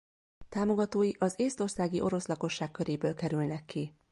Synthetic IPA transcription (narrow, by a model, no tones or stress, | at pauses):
t̪aːmo̞ɡɒt̪oːjiʔɒzeːst̪o̞rsaːɡiʔo̞ɾo̞slɒko̞ʃːaːkːø̞ɾeːbøːlkɛɾylnɛkːi